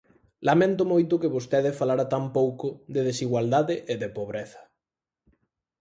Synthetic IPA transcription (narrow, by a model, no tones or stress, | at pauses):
lamẽnt̪ʊmojt̪ʊkɪβost̪eðɪfalaɾat̪ampowkʊðeðesiɣwald̪aðɪʔeðepoβ̞ɾeθɐ̥